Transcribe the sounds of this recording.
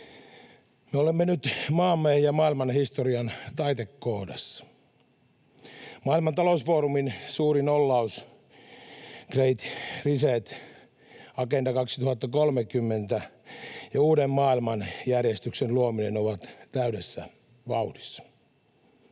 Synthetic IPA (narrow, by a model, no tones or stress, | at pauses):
meolemːenyt̪mɑːmːehijɑmɑːilmɑnhist̪oriɑnt̪ɑit̪ekːohdɑ̰sːɑ̥ | mɑːilmɑnt̪ɑlousfoːruminsuːrinolːɑus | kreit̪riset̪ | ɑkendɑkɑksi̥t̪uhɑt̪ːɑkolmekymːent̪æjɑuːdemmɑːilmɑnjærjest̪yksenluominenoʋɑt̪t̪æydesːæ̰ | ʋɑudisːɑ̥